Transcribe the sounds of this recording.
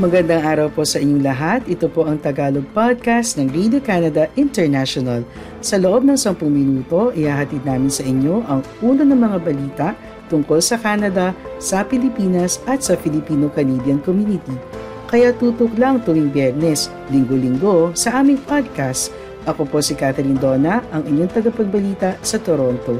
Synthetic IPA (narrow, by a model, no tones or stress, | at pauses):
mɐɡɐnd̪aŋʔaːɾɐwpo̞sɐʔɪɲːoŋlɐɦat̪ʔɪt̪opo̞ʔɐŋt̪ɐɡaːloɡ̚pad̪̚kast̪nɐŋɾid̪okanɐd̪ɐʔɪnt̪ɛɹnaʃonɐl | sɐloʔo̞b̚nɐŋsɐmpʊŋmɪnuːt̪o̞ʔɪhaːɦɐt̪id̪̚naːmɪnsɐʔɪɲːo̞ʔɐŋʔuːnonɐŋmɐŋabɐliːt̪ɐʔ | t̪ʊŋko̞lsɐkaːnɐd̪ɐsɐpɪlɪpiːnɐsʔɐt̪sɐpɪlɪpiːnokɐnibjɐnkomjunɪt̪i | kɐjat̪uːt̪ʊklɐŋt̪ʊwiŋbjɛɹnɛs | lɪŋɡolɪŋɡo̞sɐʔaːmɪŋpad̪̚kast̪ | ʔɐko̞po̞sikat̪ɛlind̪o̞ːnɐʔɐŋʔɪɲoŋt̪ɐɡɐpɐɡ̚bɐliːt̪ɐsɐt̪oɾont̪o̞